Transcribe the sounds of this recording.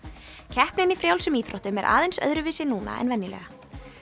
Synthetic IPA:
cʰɛhpnɪnifɾjawlsɛmiːθɾɔht̪ʏmɛɾʔa̰ːðejnsœ̰ðɾʏvɪːsɪnuːna̰ɛ̰nvɛnːɪlɛ̰ɣa

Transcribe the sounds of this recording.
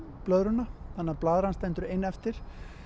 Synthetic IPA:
plœðɾʏnaθanːaɾplaːðɾanst̪ɛnt̪ʏɾɪjnːɛft̪ɪɾ̥

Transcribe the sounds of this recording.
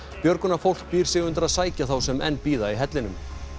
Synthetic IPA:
pjœɾkʏnafowl̥k̚piːɾ̥sɪɣʏnt̪aɾaðsaːjcaθawsɛmɛ̰nːpiːðaiɦɛt̪lɪnʏm

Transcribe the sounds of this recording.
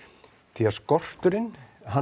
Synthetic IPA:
t̪ʰiaskɔr̥t̪ʏɾɪnɦa

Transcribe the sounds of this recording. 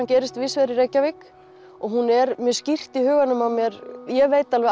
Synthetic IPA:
ncɛːɾɪst̪vɪsvɛɾɪɾeːjcːavɪk | ɔɣɦunɛɾmjœ̥scir̥t̪ihʏːɣanːʏmaðmjɛɾjɛveːjt̪alvɛ

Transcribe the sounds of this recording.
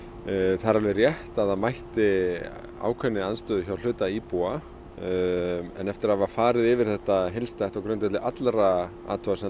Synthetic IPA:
θaɾaɾlvɛrjɛht̪aðaðmajht̪ɪ | a̰ːwkʰvœnːɪanst̪œːðʏçawl̥ʏːt̪aipua | ɛ̰nɛft̪ɪɾaðvafaːɾɪðɪvɪɾ̥θɛht̪aɦelst̪ajht̪awkɾœɥnt̪ɛt̪lɪʔat̪lɾa | a̰ːt̪ʰuasɛ

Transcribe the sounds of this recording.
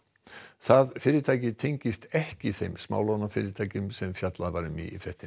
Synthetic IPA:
θaðfɪːɾɪɾt̪ʰaːjcɪt̪ʰejɲcɪst̪ɛhcɪθejmsma̰ːwlɔwnafɪ̰ːɾɪɾt̪ʰaːjcʏmsɛmfjat̪laðvaɾʏmḭfɾɛht̪ɪn

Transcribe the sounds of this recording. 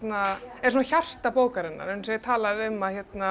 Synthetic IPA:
t̪naɛɾsunaçar̥t̪apoːwkaɾɪnːa̰ɾnseːjɪɾt̪ʰaːlaðʏmːaçjɛt̪na

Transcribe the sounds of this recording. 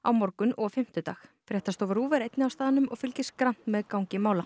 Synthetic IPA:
a̰wmɔɾkʏnʔɔfɪm̥t̪ʏt̪aːxfɪɾɛht̪ast̪oːvɪɾuːvɛɾejt̪nɪawst̪aːðanʏmɔɣfʏlcɪskɾan̥t̪mɛðkawɲcɪmaːwla

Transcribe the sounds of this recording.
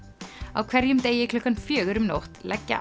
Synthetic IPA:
a̰wkʰv̥ɛɾjʏmt̪ejɪkʰlʏhkanfjœːɣʏɾʏmno̰wht̪lʔɛ̰cːa̰

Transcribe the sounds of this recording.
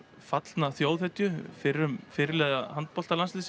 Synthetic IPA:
fat̪lnaθjoːwðθɛt̪jʏfɪɾːʏmfɪɾɪlɛːɣahant̪̚pɔlt̪alanslis

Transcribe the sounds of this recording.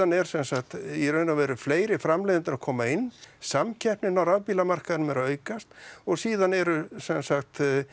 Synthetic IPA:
anɛɾ̥sɛnsaxt̪iɾœɥnavɛːɾʏfleːjɾɪfɾamlejðɪnt̪ʏɾakʰɔːmaɪnːsamcʰɛhpnɪnawɾaðpiːlamar̥kaðnʏmɛɾaœːɥkast̪ɔɣsiːðanɛɾʏsɛnsaxt̪

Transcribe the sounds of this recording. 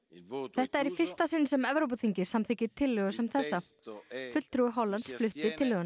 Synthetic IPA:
θɛht̪aɛɾifɪr̥st̪asɪnːsɛmɛvɾowp̬at̪ʰiɲcɪ̥samθɪcɪt̪ʰɪlːʏɣʏsɛmθɛsːa | fʏt̪l̥t̪ɾuɪɦɔlːant̪sflʏht̪vɪt̪ʰɪlːʏːɣʏn

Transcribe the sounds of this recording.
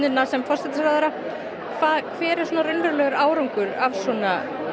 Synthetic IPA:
ʏnːasɛmfɔr̥sɛt̪ɪsɾaðɛɾa | kʰvaːðkʰvɛːɾɪsɔːnaɾʏnlʏɾlœːɣʏɾaːwɾaŋkʏɾavsɔːna

